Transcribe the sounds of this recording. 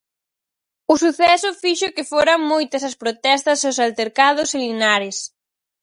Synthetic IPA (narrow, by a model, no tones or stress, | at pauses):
ʊsuθɛsʊfiʃʊkɪfoɾɐŋmojt̪ɐsɐspɾot̪ɛst̪ɐsʊsalt̪eɾkaðʊselinaɾɪs